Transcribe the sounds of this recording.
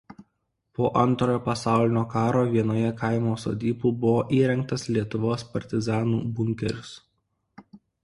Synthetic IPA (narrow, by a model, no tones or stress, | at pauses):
poːʔɐnt̪ɾoːjoːpɐsɑˑʊlʲɪnʲoːkɑːɾoːʋʲiɛnoːjɛkɐɪmoːso̰ːd̪ʲiːpuːbʊʋoːʔiːɾʲɛŋkt̪ɐslʲiɛt̪ʊʋoːspɐɾʲt̪ʲɪzɑːnṵːbʊŋʲkʲɛɾʲʊs